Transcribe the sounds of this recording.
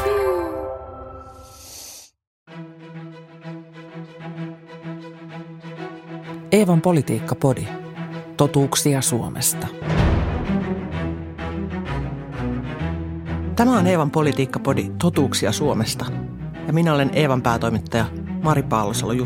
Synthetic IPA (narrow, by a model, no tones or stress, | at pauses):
eːʋɑmpo̞lit̪iːkːɑpo̞dit̪o̞t̪uːksiɑsuomʔḛst̪ɑ | t̪æmæoneːʋɑmpo̞lit̪iːkːɑpo̞dit̪ot̪uːksiɑsuomest̪ɑ | jɑminæo̞le̞neːʋɑmpæːt̪o̞jmit̪ːɑjɑ | mɑɾipɑːlosɑlːoju